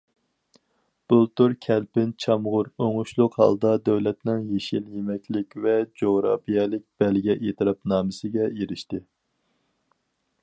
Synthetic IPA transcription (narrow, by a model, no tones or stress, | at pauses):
b̥ulˠt̪uɾkʲʰɛlpɪnt͡ʃʰɑmʁʊɾoŋʊʃlˠʊqhɑ̰lˠd̪ɑd̪æwlɛt̪nɪŋjeʃiljemɛkʲlɪkʲvɛd͡ʒoʁɾɑ̰pijɛlɪk̚ʲb̥ɛlɡʲɛʔet̪ʰɨɾɑpnɑːmɨsɪɡʲɛjeɾɪʃt̪ɪ